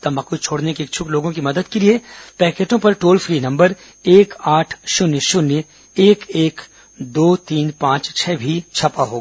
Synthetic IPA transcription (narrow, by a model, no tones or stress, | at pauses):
t̪ɐmɐkut͡ʃʰoːɽnekieːk̚t͡ʃʰʊkloːɡõkimɐd̪əd̪keliepɛːkeːʈõpɐɾʈoːlfʰɾiːnɐ̃mbəɾ | eːkaːʈʰʃʊnjəʃʊnjə | eːkeːk | d̪oːt̪iːnpãːt͡ʃt͡ʃʰɛːbʱit͡ʃʰɐpaɦoːɡa